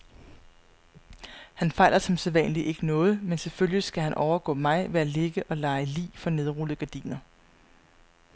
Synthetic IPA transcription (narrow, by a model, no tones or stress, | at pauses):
hænfɑ̈ɪlɐsɒ̽mseðˠʋɛ̰nliʔe̝ɡ̥ənɔ̽ːð̞̩ˠmenseføljəsɡ̥æhænʔɒʊɐɡ̥ɔ̰̽mɑ̈ɪʋeæle̝ɡ̥əʔɒ̽lɑ̈ɪlḭːfɒ̽ne̝ð̞ˠʁul̩ˠɡ̥æɐd̥ḭːnɐ